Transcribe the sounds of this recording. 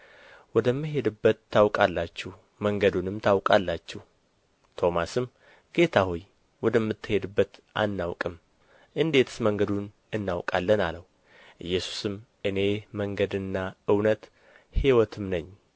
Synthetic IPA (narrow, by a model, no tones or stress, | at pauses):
wɔd̪əmːɨɦe̞d̪ɨbːət̪ːawkʼalːat͡ʃːɛh | məŋɡəd̪unɨmt̪ʰawkʼalːat͡ʃːɛh | t̪ʰo̞masɨm | ɡ̥e̞t̪ʰahoj | wɔd̪əmːɨt̪ːɨhe̞d̪ɨbːət̪ʔa̰nːawkʼɨm | ʔɨnd̪e̞t̪ʰɨ̥sməŋɡəd̪un | ɨnːawkʼalːənaləw | ʔɨ̰jːɛsu̥sɨm | ʔɨne̞məŋɡəd̪ɨnːaɨwnət̪ | hiwɔt̪ʰɨmnəɲː